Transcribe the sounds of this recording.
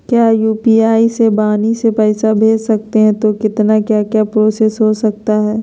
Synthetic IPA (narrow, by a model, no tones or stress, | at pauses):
kjaːjuːpiaːisebaːnisepɛːsabʱeːd͡ʒsɐk̚t̪eɦɛ̃t̪okɪt̪nakjaːkjapɾoːsesɦosɐk̚t̪aɦɛː